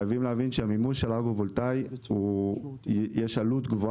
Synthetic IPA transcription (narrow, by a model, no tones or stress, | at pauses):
javimleavinʃeamimuʃelaɡuvolt̪aju | jeʃalut̪ɡvo